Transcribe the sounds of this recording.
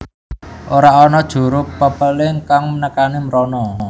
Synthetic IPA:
ʔoɾaɔnɔd̥ʒ̥ṳɾʊpːəpəlɪŋkaŋmənəkanimɾɔnɔ

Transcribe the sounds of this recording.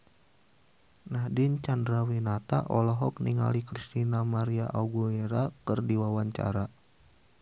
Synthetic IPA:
nahdint͡ʃandɾawinat̪a̰ʔɔlɔɦɔk̚niŋa̰likɾist̪inamaɾiaʔauɡueɾakɨrdiwawaɲt͡ʃa̰ɾa

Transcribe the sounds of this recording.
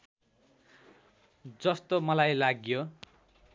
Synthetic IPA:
d͡zʌst̪omʌlajlaɡjo

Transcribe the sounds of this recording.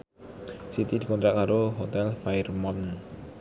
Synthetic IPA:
sit̪idikɔnt̪ɾaʔkaɾoɦot̪ɛlfaɪrmɔn

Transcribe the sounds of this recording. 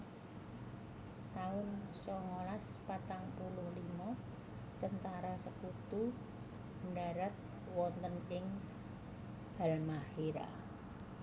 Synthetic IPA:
t̪aʊnsɔŋolaspat̪aŋpulʊhlimɔ | t̪ənt̪aɾasəkut̪u | ɳɖaɾat̪̚ | wɔnt̪ənɪŋ | halmahiɾa̰

